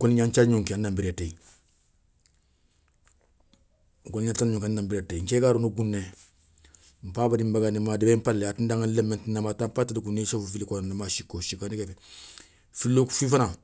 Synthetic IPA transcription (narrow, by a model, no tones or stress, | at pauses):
koliɲaɲt͡ʃalɲuŋkiannambiɾatei | kuiɲatanɲũŋkanːambiɾateɲt͡ʃɛkaɾunuɡunːe | m̩paːbadimbaɡanimadibepalljatindaŋanlemːẽntinamaːtampatadiɡunːesofufilikonamaʃikːoʃikanikɛfɛ | filːoku̥fifana